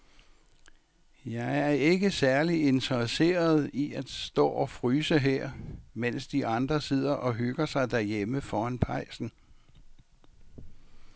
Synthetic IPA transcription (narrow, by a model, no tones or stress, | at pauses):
jɑ̈ɪæɐæɐe̝ɡ̥əsæɐlie̝nt͡sʰɐʁse̝̰ːɐð̞̩ˠiæd̥sd̥ɔ̰ːɒ̽fʁyːsəɦeɐ̰men̰sd̥iʔɑ̈nd̥ʁɐse̝ð̞̰ˠɐʔɒ̽ɦøɡ̥ɐsɑ̈ɪd̥æɐjeməfɒːænpʰɑ̈ɪ̰sn̩